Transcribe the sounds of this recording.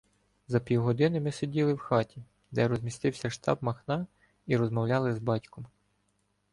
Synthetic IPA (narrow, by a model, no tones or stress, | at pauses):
zɐpʲiwɦɔd̪ɪnɪmɪsʲedʲilˠɪwxɑtʲi | d̪ɛɾɔzʲmʲist̪ɪwsʲɐʃt̪ɑ̰bmɐxnɑ | iɾɔzmɔwlʲɑlˠɪzbɑtʲkɔm